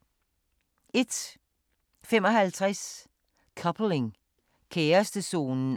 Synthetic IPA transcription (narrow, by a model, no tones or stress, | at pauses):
ɛt̪ | fɛmɔhælt̪ʰʁɛs | kʰʌpʰl̩ɪŋ | kʰeːɐst̪əsuːnn̩